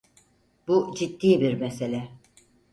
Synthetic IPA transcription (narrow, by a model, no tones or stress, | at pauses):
bud͡ʒit̪ːiːbiɾmɛse̞lʲɛ